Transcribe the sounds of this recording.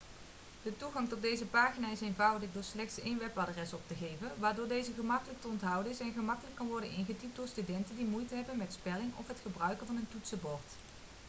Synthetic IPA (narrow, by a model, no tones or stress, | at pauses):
d̥ətuɣɑŋtɔd̚dejzəpaːχinaːɪsejnvɑwdəχdʊːɹslɛχtsejnʋɛpadrɛsɔp̚təɣejvənʋaːɹdʊːɹdejzəχəmɑkələk̚təɔntɦʌwdəɪsɛnχəmɑkələkːɑnʋɔɹdənɪnχətip̚dʊːɹstydɛntəndimujtəɦɛbənmɛtspɛlɪŋɔ̰fɦətχəbrœɥkənvɑnəntutsəbɔɹt